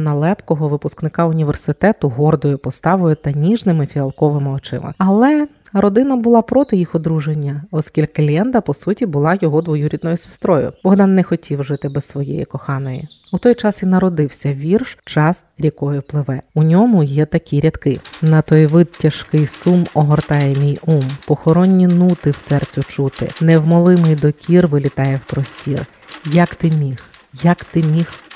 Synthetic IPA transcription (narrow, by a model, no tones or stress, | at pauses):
nɐlˠɛpkɔɦɔʋɪpʊsknɪkɑʊnʲiʋersɪt̪ɛt̪ʊɦɔrd̪ɔjʊpɔst̪ɑʋɔjʊt̪ɐnʲiʒnɪmɪfʲiɐlˠkɔʋɪmɪɔt͡ʃɪ̰mɪ̰ɐlˠɛ | ɾɔd̪ɪnɐbʊlˠɑpɾɔt̪ɪjixɔd̪ɾuʒenʲːɐɔskʲilʲklʲɛnd̪ɐpɔsutʲibʊlˠɑjɔɦɔd̪ʋɔjuɾʲid̪nɔjʊse̥st̪ɾɔjʊ̰bɔɦd̪ɑnːɛxɔtʲʰiwʒɪt̪ɪbɛssʋɔjḛjḭkɔxɑnɔjḭut̪ɔjt͡ʃɑsʲinɐɾɔd̪ɪwsʲɐʋʲirʃt͡ʃɑsɾʲikɔjʊplˠɪʋɛʊnʲɔmʊjɛt̪ɐkʲiɾʲɐt̪kɪnɐt̪ɔjʋɪd̪tʲːɐʃkɪjsumɔɦɔrt̪ɑjɛmʲijumpɔxɔɾɔnʲːinut̪ɪwsɛrt͡sʲʊt͡ʃut̪ɪ̰nɛwmɔlˠɪmɪjd̪ɔkʲʰirʋɪlʲit̪ɑjɛwpɾɔsʲtʲir | jɐkt̪ɪmʲix | jɐkt̪ɪmʲix